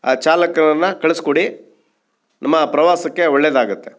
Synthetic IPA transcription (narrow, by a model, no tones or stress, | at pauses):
aːt͡ʃaːlɐkɐnɐnːɐkɐɭeskoɽi | nʔɐmːɐpɾɐʋaːsɐkːeɔɭːed̪aːɡut̪ːe